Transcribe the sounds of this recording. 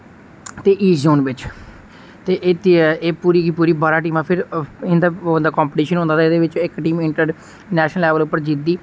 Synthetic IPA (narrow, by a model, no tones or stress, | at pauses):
t̪eːʔiːzoːnʋɪt͡ʃ | t̪eːʔɪt̪ːeːpuːɾiːkiːpuːɾiːbaːɾaːʈ̬iːmãːpʰɪɾɪd̪aːnd̪aːkɔːmpəʈiːʃənɦõːnd̪aːaɪd̪eːʋɪt͡ʃɪkʈiːmɪɳʈəɖ | nɛːʃnəlɛːʋəlʊpːəɾd͡ʒid̪iː